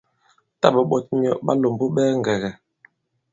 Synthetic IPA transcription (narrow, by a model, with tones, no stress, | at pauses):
ta˦bə˨ɓɔ˦t̚ɲi˨ɔ˦˨ʔɓa˦lo˨mbo˦ɓɛː˦ŋ˨ɡɛ˨ɣɛ˨